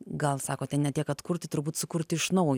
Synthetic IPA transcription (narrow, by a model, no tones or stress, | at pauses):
ɡɐlˠsɑːkoːt̪ʲɛnnʲɛtʲiɛkɐt̪kʊrʲt̪ʲɪt̪ʊɾbuːt̪sʊkʊɾʲt̪ʲɪɪʃnɐʊj